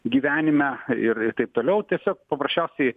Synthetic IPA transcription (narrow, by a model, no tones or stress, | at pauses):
ɡʲiːʋʲæːnʲɪmʲɛɪɾɪrt̪ɐɪp̚t̪oːlʲɛʊt̪ʲiɛsʲoːk̚pɐpɾɐsʲt͡ʃʲæʊsʲɛɪ